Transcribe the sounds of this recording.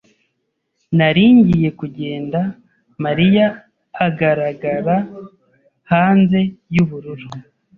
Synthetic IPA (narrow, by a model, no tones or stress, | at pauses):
naɾiːɲɟije̞kuɟe̞ːnda | maɾijaː | ɡaɾaɡaɾa | haːnze̞juβuɾuɾu